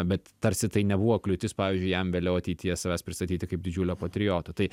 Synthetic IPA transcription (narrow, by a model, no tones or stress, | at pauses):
bʲɛt̪tɐɾʲsʲɪt̪ɐɪnʲɛbuʋoːklʲʊt̪ʲɪspɑːʋʲiːzʲd͡ʒʲʊɪjɛmʋʲeːlʲɛʊɐt̪ʲɛɪt̪ʲijɛsɐʋʲæːspʲɾʲɪst̪ɐt̪ʲiːt̪ʲɪkɐɪp̚d̪ʲɪd͡ʒʲuːlʲoːpɐt̪ʲɾʲɪjoːt̪oːt̪ɐɪ